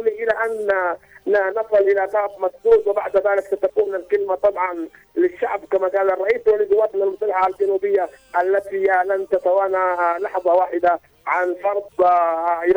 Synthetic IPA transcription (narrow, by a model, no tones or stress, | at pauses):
niʔɪlaʔanː | anɑsˤɨlʔɪlaq̪ɑːfmasd̪uːdwɪbaʕd̪ðaːlɪksat̪akuːmnalkɪlmat̪ˤɑbʕɑn | lɪʃːaʕbkamakaːlɑrˤːɑʔiːswalizuwaːt̪ˤnalmʊsˤɑlːaħaald͡ʒanuːbɪjːaʔalːat̪ialant̪at̪awaːnalɑħðˤɑwaːħɪd̪a | ʕanfɑɾˤd̪ˤ